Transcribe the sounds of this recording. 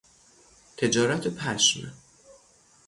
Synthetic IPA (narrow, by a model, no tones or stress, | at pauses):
t̪ʰe̞d͡ʒɒːɾæt̪ʰepʰæʃme